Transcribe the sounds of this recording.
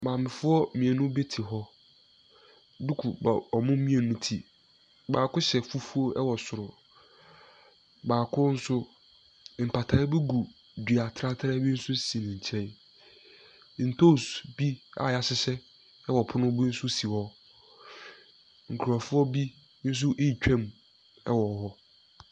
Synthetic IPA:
mãː˨mɪ̃˨fʊ˦ɔ˦mĩ˨e˨nũ˦be˦tʰi˨ɦɔ˦ | du˦kʰu˨ba˨ɔ˨mʊ̃˦mĩ˦e˨nũ˦tʰi˨ | baː˨kʊ˦ɕɛ˨fu˦fu˦o˦ʔɛ˦wɔ˨sʊ˨ɾʊ˨ | baː˨kʰʊ˦n̩˦sʊ˦ | m̩˨pʰa˨tʰa˨˦ɪ˦bɛ˦ɡu˨ | di˨a˨tʰɾa˦tʰɾa˦bi˦n̩˦sʊ˦si˨nɪ̃˨ɲ˨t͡ɕʰɛ̃˦ | n̩˨tʰo˦˨sbi˦a̰˨ja˨sɪ˦sɛ˦ | ɛ˦wɔ˨pʰʊ˦nʊ̃˦bu˦n̩˦sʊ˦si˨wɔ˦ | ŋ̩˨kʰu˨ɾɔ˨fʊ˦ɔ˦bi˦ | n̩˦s̬ʊ˦ʔe˦i˨t͡ɕᶣɛ̃˦˨m | ɛ̰˦wɔ˨ɦɔ˦

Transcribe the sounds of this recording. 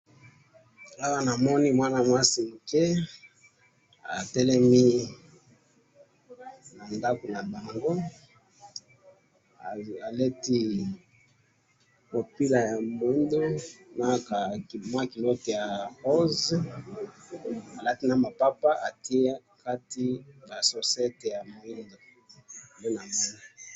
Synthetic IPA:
a˦wa˦na˨mɔ˦ni˦mwa˦na˨mwa˦si˨mu˨ke˦ | a˨tɛ˦lɛ˦mi˦ | na˨nda˦ko˨la˨nda˨ja˨ŋɡo˦˨ | a˨lɛ˦ti˦ | mo˨pi˦la˨ja˨mo˨i˦ndo˦na˦ka˨ma˦ki˨lo˦te˨ja˨ho˦z | a˨la˦ti˦na˨ma˨pa˦pa˦ʔa˨ti˦a˦ | ka˦ti˦ba˨so˨sɛ˦te˨ja˨mo˨i˦ndo˨ | le˦na˨mɔ˦ni˨

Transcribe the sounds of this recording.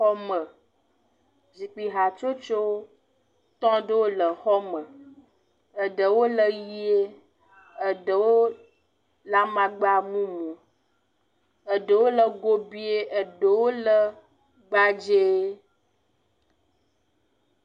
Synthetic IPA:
xɔ˦mə˨ | zi˨k͡pi˨ɦa˨t͡ʃo˦t͡ʃo˦ | t̪ɔ̃˦ɖə˦wo˦lə˨xɔ˦mə˨ | ə˨ɖə˨wo˦lə˨ji˦e˦ | ə˨ɖə˨wo˦ | la˦mã˨ɡ͡ba˦mũ˦mũ˨ | ə˨ɖə˨wo˦lə˨ɡo˦bi˦e˦ʔə˨ɖə˨wo˦lə˦ | ɡ͡ba˦d͡ʒe˦

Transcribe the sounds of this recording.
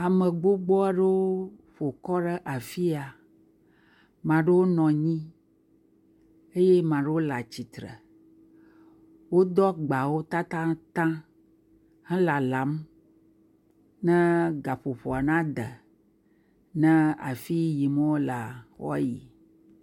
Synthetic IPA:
a˨mə̃˨ɡ͡bo˦ɡ͡bɔ˦a˦ɖe˦wo˦ɸo˨kɔ˦ɖə˦ʔa˨fi˦a˨ | mã˨ɖe˦wo˦nɔ̃˨ɲĩ˦ | e˦je˦mã˨ɖe˦wo˦la˨t͡ɕi˨t̪ɾə̰˨ | wo˦d̪ɔ˦ɡ͡ba˨wo˦t̪a˦t̪ã˦t̪ã˦ | hɛ̃˦la˨la˨˦m | nɛ̃˦ɡa˨ɸo˨ɸo˨a˨nã˦d̪ə̰˨ | nɛ̃˦a̰˨fi˦ji˨mə̃˦wo˦la˨xɔ̰˦ji˨

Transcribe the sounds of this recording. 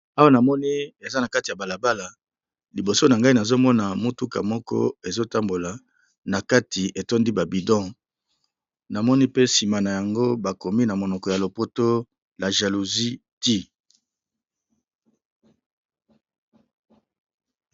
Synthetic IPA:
a˦wa˦na˨mɔ˦ni˦e˨za˦na˨ka˦ti˨ja˨ba˨la˨ba˦la˨ | li˨bo˨so˦na˨ŋɡa˦i˦na˨zo˦mɔ˦na˨mo˦tu˦ka̰˨mɔ˦kɔ̰˦e˨zo˦ta˦mbo˨la˨ | na˨ka˦tʰi˨ʔe˨to˦ndi˦ba˨bi˨dɔ̃˦ | na˨mɔ˦ni˦pe˦si˨ma˨na˨ja˨ŋɡo˦ba˨ko˨mi˦na˨mo˨nɔ˨kɔ˨ja˨lo˨po˦to˦ | la˨ʒa˨lu˨zi˦ti˦

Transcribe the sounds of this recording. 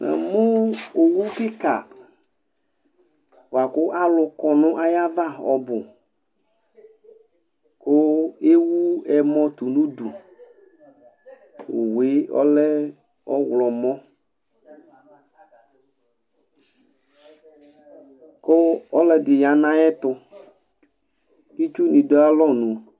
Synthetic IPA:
ɛ̰˨mʊ̃˦o˨wu˦kɪ˦ka̰˨ | wo˨a˨kʊ˦ʔa˦lʊ˨kɔ˨nʊ̃˦ʔa˦ja˦va˦ɔ̰˨bʊ˨ | kʊ˦e˦wu˦ɛ˨mɔ̃˦t̪u˨nũ˦du˨ | wʊ̰˨we˦ɔ̰˦lɛ˦ | ɔ˦wlɔ˨mɔ̃˦ | kʊ˦ɔ˦lɛ˨dɪ˨ja˨nã˦ɛ˦t̪ʊ˦ | t̪i˦t͡ʃu˦nĩ˨dɔ˦a˦lɔ˦nũ˨

